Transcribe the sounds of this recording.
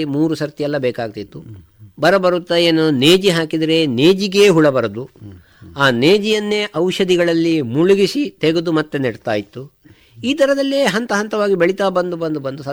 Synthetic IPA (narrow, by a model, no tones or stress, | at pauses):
imuːɾusɐɾt̪ijɛlːɐbɛːkaːɡ̚t̪it̪ːu | bɐɾɐbɐɾut̪ːɐeːnuneːd͡ʒiɦaːkid̪ɐɾe̞neːd͡ʒiɡe̞ːɦuɭɐbɐɾɐd̪u | aːneːd͡ʒijɐnːe̞ːʔɐwʃɐd̪iɡɐɭɐlːimuɭuɡisit̪eɡud̪umɐt̪ːeniɽt̪aːjit̪ːu | iːt̪ɐɾɐd̪ɐlːeɦɐnt̪ɐɦɐnt̪ɐʋaːɡibeɭit̪aːbɐnd̪ubɐnd̪ubɐnd̪usɐ